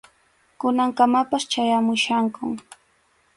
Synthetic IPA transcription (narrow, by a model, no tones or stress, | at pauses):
kʊnaŋkamapast͡ʃajamʊʃaŋkʊm